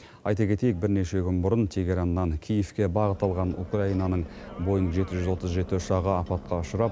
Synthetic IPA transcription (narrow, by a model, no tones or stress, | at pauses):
ɑjt̪ɑkʲʰe̞t̪e̞jɪk̚bɪɾne̞ʃe̞kʲʰʏnbʊɾənt̪ʰe̞ɡʲeɾanːɑŋkʲʰijefkʲe̞bɑʁət̪ɑlˠʁɑnṵkraijnɑnəɴbo̞jənʒe̞t̪ɪʒʏzwo̞t̪əzʒe̞t̪ːʃɑʁəɑpɑt̪̚qɑʊʃʊɾɑp̚